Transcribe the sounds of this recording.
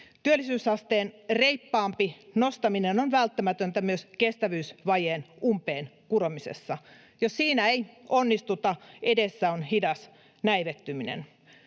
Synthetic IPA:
t̪yølːˑisyːsɑst̪eːnreipːɑːmpinost̪ɑminenonʋælt̪ːæmæt̪ønt̪æmyøskest̪æʋyːsʋɑjeːnumpeːnkuromisḛsːɑ | jossiːnæeionːist̪ut̪ɑedesːæonhidɑs | næiʋet̪ːyminḛn

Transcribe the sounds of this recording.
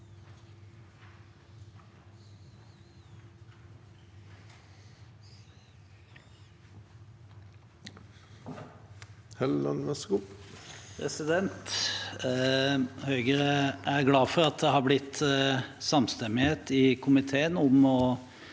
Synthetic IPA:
hɛlːɑ̰nʋɛsku | pʰɾɛsɪd̪ɛnt̪ | hœʏɡəɾəʔæɾɡlɑːfɔɾɑt̪̚d̪ɛhɑːɾblɪt̪ː | sɑmst̪ɛmːɪheːt̪ɪkʰʊmɪt̪ʰeːənʊmɔ

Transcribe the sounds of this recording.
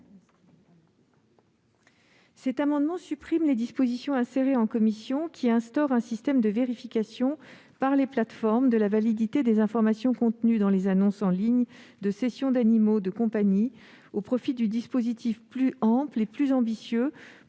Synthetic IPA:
sɛt̪amɑ̃d̪mɑ̃sypχimled̪ispozisjɔ̃ɛ̃seʁeɑ̃kɔmisjɔ̃kʲʰiɛ̃st̪ɔʁɛ̃sist̪ɛmd̪əveʁifikʲasjɔ̃ | paʁleplat̪fɔʁmd̪əlavalid̪it̪ed̪ezɛ̃fɔʁmasjɔ̃kɔ̃t̪nyd̪ɑ̃lezanɔ̃sɑ̃liɲd̪əsesjɔ̃d̪animod̪əkɔ̃paɲi | opχɔfid̪yd̪ispozit̪ʰifplyɑ̃pleplyzɑ̃bisjø

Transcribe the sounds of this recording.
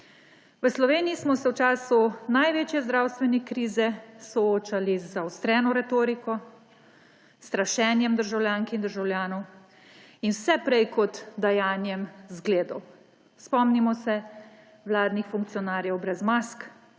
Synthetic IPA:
ʋəslɔʋeːniismɔsɛwt͡ʃaːsunajʋeːt͡ʃjɛzd̪ɾaːwst̪ʋɛnɛkɾiːzɛsɔoːt͡ʃalizawst̪ɾɛːnɔɾɛt̪oːɾikɔ | st̪ɾaʃɛːnjɛmd̪əɾʒawljaːŋkind̪əɾʒawljaːnɔw | inwsɛpɾɛjkɔt̪d̪ajaːnjɛmzɡleːd̪ɔw | spɔmnimɔsɛ | ʋlaːd̪nixfuŋk̪̚sijɔnaːɾjɛwbɾɛzmask

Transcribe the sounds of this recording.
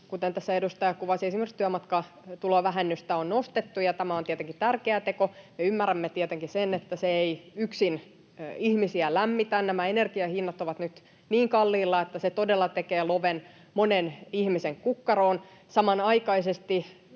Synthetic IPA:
kut̪ent̪æsːæedust̪ɑjɑkuʋɑsiesimerkst̪yæmɑt̪kɑ | t̪uloʋæɦenːyst̪æonnost̪et̪ːujɑt̪æmæont̪iɛt̪eŋkit̪ærkeæt̪ekomeymːæræmːet̪iɛt̪eŋkisenet̪ːæseeiyksin | ihmisiælæmːit̪ænnæmæenerkiɑhinːɑt̪oʋɑt̪nyt̪ | niːŋkɑlːiːlːɑet̪ːæset̪odelːɑt̪ekeːloʋen | monenihmiseŋkukːɑroːn | sɑmɑnɑikɑisest̪i

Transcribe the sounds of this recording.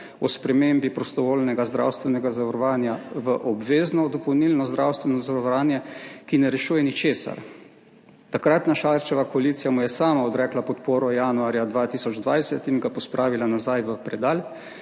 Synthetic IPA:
ɔspɾɛmembipɾɔst̪ɔʋoːlnɛɡazd̪ɾa̰wst̪ʋɛnɛɡazaʋɐɾɔʋaːnjaʋəʔɔbʋeːznɔd̪ɔpɔwnilnɔzd̪ɾawst̪ʋɛnɔzaɔʋɾaːnjɛkinɛɾɛʃuːjɛnit͡ʃeːsa̰ɾ | t̪akɾat̪naʃaɾt͡ʃɛʋakɔaliːt̪sijamujɛsaːmaɔd̪ɾɛklapɔt̪poːɾɔjaːnuaːɾjad̪ʋaːt̪iːsɔd͡ʒd̪ʋajsɛt̪inɡapɔspɾaːʋilanazajʋəpɾɛd̪aːl

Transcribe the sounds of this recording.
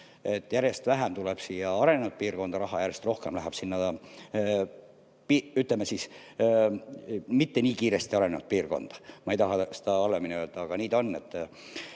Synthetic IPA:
et̪ːˑjæɾjest̪væɦæmt̪uleb̥siːjɑɑɾe̞nenut̪̚piːrko̞nd̪ɑɾɑɦɑjæɾjest̪ro̞hkemlæɦæb̥sinːɑ | piːyt̪lemːesis | mit̪ːe̞niːkiːɾe̞st̪iɑɾe̞nenut̪̚piːrɡo̞̰nd̪̥ɑ̥mɑejt̪ɑɦɑse̥d̪̥ɑɑlːeminʲiøld̪̥ɑːɡ̥ɑniːd̪̥o̞nːe̞t̪ː

